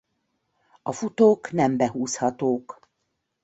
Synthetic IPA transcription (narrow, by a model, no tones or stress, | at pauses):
ɒfut̪oːknɛmbɛɦuːshɒt̪oːk